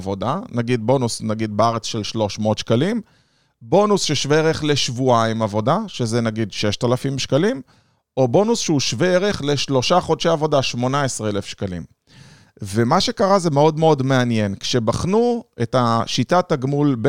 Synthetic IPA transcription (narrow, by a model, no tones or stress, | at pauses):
vo̞danaɡid̚bo̞nusnaɡid̪beaʁet͡sʃelʃlo̞ʃmo̞ːtʃkalim | bo̞nusʃeʃveeʁe̞χle̞ʃvuaimavo̞daʃe̞zenaɡidʃe̞ʃtalafimʃkalim | o̞bo̞nusʃeuʃveeʁe̞χle̞ʃlo̞ʃaχo̞dʃeavo̞daʃmo̞naesʁeelefʃkalḭm | ve̞maʃe̞kaʁaze̞me̞o̞dme̞o̞dme̞anje̞nkʃe̞baχnuetaʃitataɡmulb